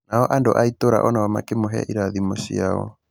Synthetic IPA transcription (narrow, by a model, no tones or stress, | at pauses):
naɔʔandoʔaitoɾa̰ʔɔnawama̰kemoɦɛ̰ʔiɾaðimoʃḭaɔ̰